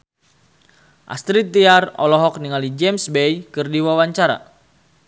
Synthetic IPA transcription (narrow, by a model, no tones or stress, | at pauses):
ʔa̰st̪ɾit̪ːiarɔ̰lɔɦɔk̚niŋalid͡ʒɛmsbɛjkɨrdiwawaɲt͡ʃaɾa̰